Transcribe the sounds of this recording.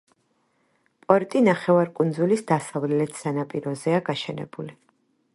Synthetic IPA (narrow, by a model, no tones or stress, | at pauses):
pʼɔɾt̪ʼinaχɛvaɾkʼund̪zulisd̪asavlɛlɛt̪ʰsanapʼiɾɔzɛaɡaʃɛnɛ̰buli